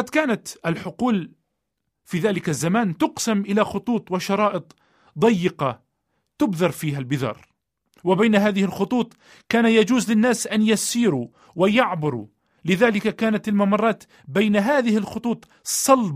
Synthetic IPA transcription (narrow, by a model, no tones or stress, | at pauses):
ɑd̪kaːnat̪ʔalħʊquːl | fiːðaːlɪkazːamaːnt̪ʊqsamʔɪlaxʊt̪ˤuːt̪ˤwɪʃɑɾˤɑːʔɨt̪ˤ | d̪ˤɑjːɪqɑ | t̪ʊbðɑɾˤfiːɦalbɪðɑ̰ːɾˤ | wɪbajnaɦaːðɪhɪlxʊt̪ˤuːt̪ˤ | kaːnajad͡ʒuːzlɪnːaːsʔanjasiːɾu | wɪjɑʕbɪɾṵ | lɪðaːlɪkakaːnat̪almamɑrˤːɑːt̪ | bajnaɦaːðɪhɪlxʊt̪ˤuːt̪ˤ | sˤːɑlb